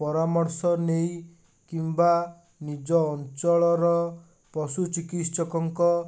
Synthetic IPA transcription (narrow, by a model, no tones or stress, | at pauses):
pɔɾamɔɾsɔnej | kimba | nid͡ʒɔːnt͡ʃɔɭɔɾɔ | pɔsut͡ʃikit̪sɔkɔŋkɔ